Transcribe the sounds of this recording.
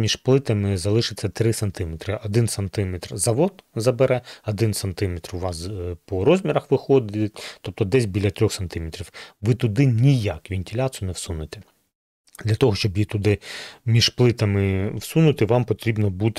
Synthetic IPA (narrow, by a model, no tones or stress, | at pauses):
mʲiʒplˠɪt̪ɐmɪzɐlˠɪʃɪt͡sʲːɐt̪ɾɪsɐnt̪ɪmet̪ɾɪʔɔd̪ɪnsɐnt̪ɪmɛt̪rzɐʋɔd̪zɐbeɾɛɔd̪ɪnsɐnt̪ɪmʲet̪rʊʋɑspɔɾɔzʲmʲiɾɐxʋɪxɔd̪ɪtʲt̪ɔp̚t̪ɔd̪ɛsʲbʲilʲɐt̪ɾʲɔxsɐnt̪ɪmet̪ɾʲiwʋɪt̪ʊd̪ɪnʲijɑkʋʲinʲtʲɪlʲat̪snɛwsunɪt̪e̥ | d̪lʲɐt̪ɔɦɔʃt͡ʃɔbjit̪ʊd̪ɪmʲiʒplˠɪt̪ɐmɪwsunʊt̪ɪʋɑmpɔt̪ɾʲibnɔbut̪ɪ̥